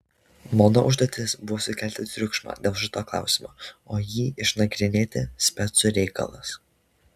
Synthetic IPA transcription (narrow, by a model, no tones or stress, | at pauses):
moːnoʔʊʒd̪oːt̪ʲɪsbʊʋoːsʊkʲælʲt̪ʲɪt̪ʲɾʲʊkʃmɑ̰ːd̪ʲeːlˠʒɪt̪oːklˠɑ̰ˑʊsʲɪmo̰ːoːjiːʔɪʃnɐɡɾʲɪnʲeːt̪ʲɪsʲpʲɛt̪sʊɾʲɛɪkɐ̰lˠɐ̰s